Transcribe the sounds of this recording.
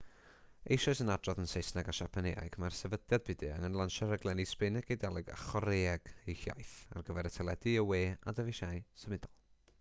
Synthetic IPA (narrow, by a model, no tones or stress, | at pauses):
ḛjʃɔɨsənadrɔðənsejsnaɡaʃapʰaneja̰jɡmarsɛvədjad̚bɪdɨə̰ŋənlˠanʃaɾəɡlˠɛnispɪnɛɡejdalˠɨɡa̰χɔɾeːɛɡ̥ejɬja̰jθa̰rɡəvɛɾətʰɛlˠɛdɨəweːadəvɪʃajsəmɪdɔlˠ